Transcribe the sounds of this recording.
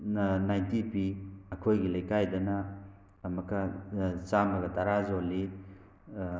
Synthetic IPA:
najntipiɐkʰojɡilɐjkajdɐnɐː | mɐkɐt͡ʃamɐɡɐtɐɾazoli

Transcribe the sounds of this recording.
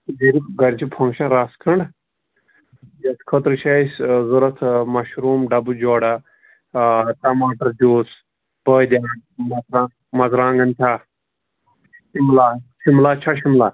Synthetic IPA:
d͡ʒiɾibɡɐɾt͡ʃʰipʰɐ̃ŋkʃɐnɾaːskʰɐɳɖ | jɐt̪ʰkʰɐt̪ɾɨt͡ʃʰɐsʲzuɾɐt̪ʰmɐʃɾuːmɖɐbud͡ʒoːɽa | ʈɐmaːʈɐɾd͡ʒoːs | b̥əːd̪ʲjaːɳmɐzɾa | mɐzɾãːŋɡɐnt̪ʰʲa | ʃimlaːʃimlaːt͡ʃʰaʃimlaː

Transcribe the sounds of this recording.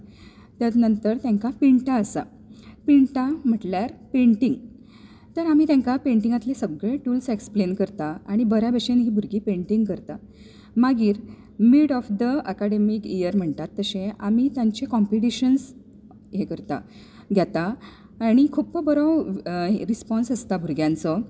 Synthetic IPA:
t̪janənt̪əɾt̪jãŋkapiɳʈaəsa̰ | piɳʈam̤əʈljaɾpẽɳʈiŋɡ | t̪əɾam̤iːt̪jãŋkapeɳʈiŋɡat̪lesəɡɭeʈuːlseksplenkəɾt̪aaɽ̃ibəɾabeɕenɦiːbʱuɾɡiːpẽɳʈiŋɡkəɾt̪a | maɡiːɾ | miɽɔfd̪əəkaɽemikijəɾm̤əɳt̪at̪ːəɕẽamit̪jãɲt͡ɕekɔmpiʈiɕəns | jekəɾt̪a̰ | ɡʱjat̪aː | ɽ̃ikʰupəbəɾəwɾispɔnsəst̪abʱuɾɡjãnt͡sɔ

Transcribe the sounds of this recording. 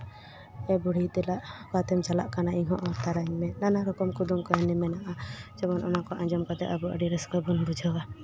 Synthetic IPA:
ɛbuɽ̤it̪ɛlaʔkat̪ɛmt͡ʃalaʔkanaʔiɦɔʔɔt̪aɾaɲmɛnanaɾɔkɔmkud̪umkɔɛnɛmɛnaʔad͡ʒɔmɔnʔɔnakɔʔãɲd͡ʒɔmkɔt̪ɛʔabuə̰ɖiɾɛskɔbunbud͡ʒʱɔwa

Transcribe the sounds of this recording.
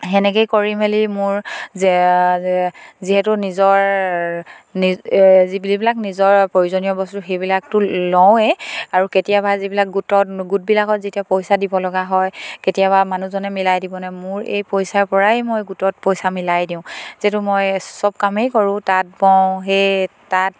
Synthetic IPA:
ɦɛnɛkejkoɹimelimʊɹ | ziɦɛtʊnizɔɹ | nizibilibilaknizɔɹpɹojizonijɔbɔstʊxejbilak̚tʊlɔwɛaɹuketijabazibilak̚ɡutɔtɡut̚bilakɔtzitiapojsadibɔlɔɡaɦɔjketijaβamanuzɔnɛmilajdibɔnɛmʊɹḛjpojsaɹpɔɹaɛmojɡutɔt̚pɔjsamilajdiʊ̃ziɛtʊmojsɔb̚kamejkɔɹʊ̃tat̚bɔʊ̃ɦetat̚

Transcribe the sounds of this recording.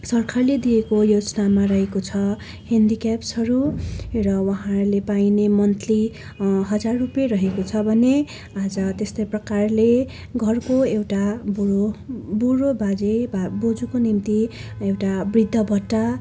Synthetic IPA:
sʌrkʰarled̪ijekojod͡zʌnamaɾʌɦekot͡sʰʌ | hend̪ikapsʌɾurʌwʌɦãrlepajnemʌnt̪ʰli | ɦʌd͡zarːupjʌrʌɦekot͡sʰʌbʱʌne | ad͡zʌt̪est̪ʌjprʌkarle | ɡʱʌrkoewʈabuobuɾobʱad͡zebabod͡zukonimt̪iewʈabrid̪ʱːʌbʱʌʈːa

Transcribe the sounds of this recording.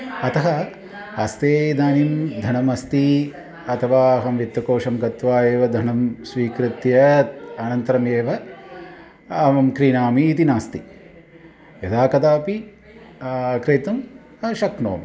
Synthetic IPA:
ɐt̪ɐɦɐ | ɐst̪eːd̪aːnimd̪ʱɐɳɐmɐst̪i | ɐt̪ʰɐʋaːɐɦɐmʋit̪ːʋɐkoːʂɐmɡɐt̪ʋaːjeːʋɐd̪ʱɐɳɐmsʋiːkɾɪt̪jɐt̪̚ɐnɐnt̪ɐɾɐmeːʋɐ | ɐʋɐmkɾiːnaːmiːt̪inaːst̪i | jɐt̪ʰaːkɐd̪aːpi | kɾeːt̪ɐm | ɐʃɐkno̰ːmi

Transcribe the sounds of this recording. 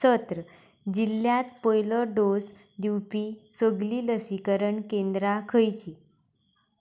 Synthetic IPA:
ət̪ɾə | d͡ʑilːjat̪̚pəjləɖos | d̪iwpisəɡliːləsikəɾəɳkend̪ɾakʰəjt͡ɕi

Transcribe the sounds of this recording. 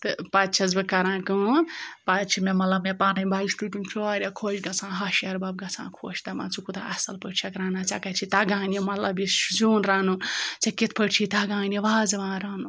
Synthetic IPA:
t̪ɨpat̪t͡ʃʰɐzbɨkɐɾãːkũpatt͡ʃʰimemɐlɐbmepaːnɐbaːisʈuʈʲunt͡ʃʰoaːɾʲjakʰot͡ʃɡɐt͡sʰãːɦɐʃjɐɾbab̚ɡɐt͡sʰã̰ːkʰo̰t͡ʃʰt̪ɐmã̰ːt͡sʰukut̪aɐsɐlpəʈt͡ʃʰakɾaːnat͡sakat͡ʃʰit̪aːɡaːnemɐlabiszuːnɾaːnut͡sɐket̪̚ʰpəʈt͡ʃʰit̪aɡãːneʋaːzɐʋãːɾaːnu

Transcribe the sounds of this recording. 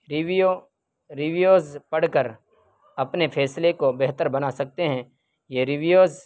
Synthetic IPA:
ɾɪʋijo | ɾɪʋijoːzpɐɽ̤kəɾ | ɐpnepʰɛːslekobɛɦt̪əɾbɐnasɐk̚t̪eɦɛ̃ | jeɾɪʋijoːz

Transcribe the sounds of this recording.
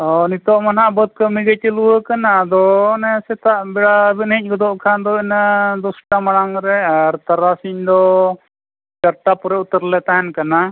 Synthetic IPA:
ɔnit̪ɔʔmanaʔbəd̪̚kəmiɡət̪əluwəkanad̪ɔnɛsɛt̪aʔbɛɽabɛnic̚ˀɡɔd̪ɔʔkʰand̪ɔinad̪ɔsʈamaɽ̃aŋɾɛaɾt̪aɾasiɲd̪ɔ | t͡ʃaɾʈapuɾɛut̪əɾlɛt̪aɦɛnkana

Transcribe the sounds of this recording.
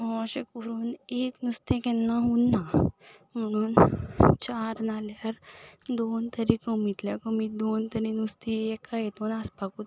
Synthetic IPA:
ɔ̃ɕekoɾuːneknust̪ẽkɛnːaɦunːa | m̤əɽ̃uːnt͡ɕaɾnaljaɾd̪ont̪əɾikəmit̪ljakəmiːd̪ont̪əɾinust̪iekːaet̪onaspakuːt̪

